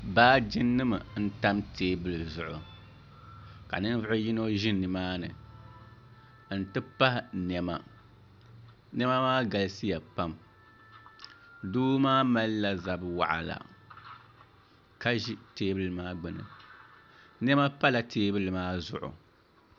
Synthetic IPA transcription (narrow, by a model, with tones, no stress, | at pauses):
baː˦d͡ʒɪ˦nːɨ˦mɨ˨n̩˦ta˦mtʰeː˦bɨ˦lɨ˨zʊ˨ʔʊ̰˨ | ka̰˨nɨ˦n˦vʊ˦ʔʊ˦ji˦no˦ʒɪ˦nːɨ˨maː˦nɨ̰˨˦ | n̩˨tɨ˦pa˦hɪ˨nɛ˨ma˨ | nɛ˦ma˦maː˦ɡa˨lɨ˦si˦ja˨pa˦m | duː˦maː˦ma˦lla˨za˨bɨ˨wa̰˨ʔa̰˨la̰˨ | ka˦ʒi˦teː˦bɨ˦lɨ˨maː˦ɡ͡bɨ˨nɨ̰˨ | nɛ˦ma˦pa˦la˨tʰeː˦bɨ˦lɨ˨maː˦zʊ̰˨ʔʊ̰˨